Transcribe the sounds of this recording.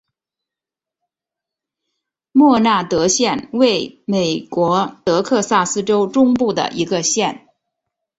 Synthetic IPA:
mwɔ˥˧na˥˩t̪ɤ˧˥ɕjɛ˥˧nwe˥˩ɪme˨˩ɪkwɔ˧˥t̪ɤ˧˥kʰɤ˥˧sa˥˩sɹ̩˥ʈ͡ʂo˥ʊʈ͡ʂʊ˥ŋpu˥˩d̪ə̰˩ʔi˧˥ɡə˧ɕjɛ˥˩n

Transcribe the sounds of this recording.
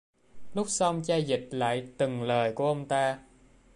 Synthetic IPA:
lʊ˦˥k͡p̚sa˧ŋ͡mt͡ɕaː˧jzï˨˩k̚la̰ː˧˨jt̪ɨ˨˩ŋləː˨˩jku˧˩əʔə˧wŋ͡mt̪aː˧

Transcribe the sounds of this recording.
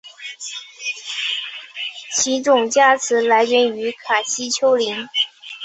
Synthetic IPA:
t͡ɕʰi˧˥ʈ͡ʂʊ˨˩ŋt͡ɕja˥t͡sʰɹ̩˧˥la˧˥ɪɥɛ˧˥ny˧˥kʰa˨˩ɕi˥t͡ɕʰjo˥ʊli˧˥ŋ

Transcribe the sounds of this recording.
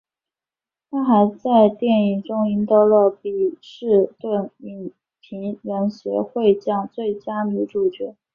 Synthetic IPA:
t̪ʰa˥xa˧˥ɪt͡sa˥˧ɪt̪jɛ˥˩ni˨˩ʈ͡ʂʊ˥ŋi˧˥nt̪ɑ˥˧ʊlə˧˩pi˨˩ʂɻ̩˥˧t̪we˥˩nmi˧˥n | pʰi˧˥ŋɻə˧˥nɕɥɛ̰˧˥xwe˥˧ɪt͡ɕjɑ˥˩ŋt͡swe˥˩ɪt͡ɕja˥ni˧˥ʈ͡ʂu˨˩t͡ɕɥɛ˧˥

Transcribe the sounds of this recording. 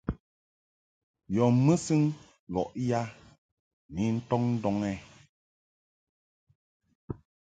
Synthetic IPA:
jɔ˨mə˦sɨ˦ŋ | lɔ˨ʔja˦ | ni˨n̩˦tɔ˦ŋn̩˦dɔ˦ŋɛ˦

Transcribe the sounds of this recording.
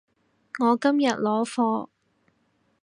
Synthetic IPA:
ŋɔː˨˧kɐ˥mjɐ˨t̚lɔː˨˥fɔː˧

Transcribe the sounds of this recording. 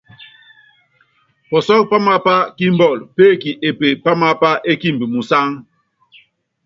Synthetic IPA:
pɔ˨sɔ˦k̚pa˦ma˦pa˦ki˦m˦bɔ˦˨lpe˦˨ki˨ʔe˨pe˨pa˦ma˦pa˦ʔe˦ki˦mbi˨mu˨sa˦ŋ

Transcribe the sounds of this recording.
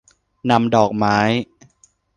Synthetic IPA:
na˧mdɔː˨˩k̚maː˦˥j

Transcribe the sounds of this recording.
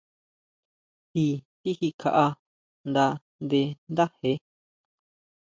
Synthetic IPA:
t̪i˧t̪i˦hi˧kʰa˧ʔa˧ | nd̪a˧ | nd̪e˧nd̪a˦he˧˦

